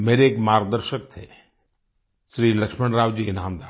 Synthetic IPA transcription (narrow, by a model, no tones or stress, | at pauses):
meːɾeeːkmaːɾɡ̚d̪əɾʃək̚t̪ʰeː | sɾiːlɐkʃməɳɾaːʋd͡ʒinaːmd̪aː